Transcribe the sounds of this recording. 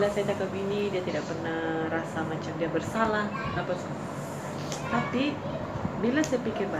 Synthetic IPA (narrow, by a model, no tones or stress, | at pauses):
lasajat̪akap̚ɡinidiat̪idak̚pərnahrasamat͡ʃamdiabərsalah | apasu | t̪api | bilasajapikɪrba